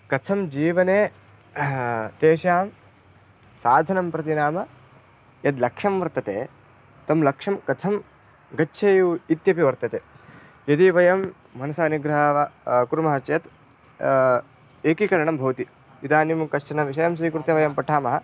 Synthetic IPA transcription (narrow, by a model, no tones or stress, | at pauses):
kɐt͡sʰɐmd͡ʒiːʋɐneː | t̪eːʃjaːm | saːd̪ʱɐnɐmpɾɐt̪inaːmɐ | jɐd̪lɐkʂɐmʋɐɾt̪ɐt̪eː | t̪ɐmlɐkʂɐmkɐt͡sʰɐm | ɡɐtːʃʰeːjuit̪jɐpiʋɐɾt̪ɐt̪eː | jɐt̪iʋɐjɐm | mɐnɐsaːniɡɾɐɦɐʋɐkuɾmɐɦɐt͡ʃɐjɐt̪ | eːkikɐɾɐɳɐmbʱɐʋt̪i | it̪aːnimkɐʃt͡ʃɐnɐʋiʃɐjɐms̬iːkɾut̪jɐʋɐjɐmpɐʈʰaːmɐɦɐ